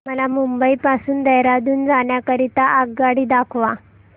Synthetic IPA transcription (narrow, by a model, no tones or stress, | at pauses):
məlamumbəiːpasuːnd̪əjɾad̪uːnd͡zaɳjakəɾit̪aʔaɡ̚ɡaɽiːd̪akʰʋa